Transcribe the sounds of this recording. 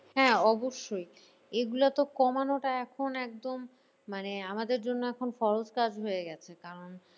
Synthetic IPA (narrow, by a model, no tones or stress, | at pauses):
hɦɛ̃ɔboʃːoj | eɡulat̪okɔmanoʈaɛkʰonɛkd̪omː | aneamad̪eɾd͡ʑonːoɛkʰonfɔɾot͡ɕkad͡ʑɦoeɡɛt͡ɕʰekaɾon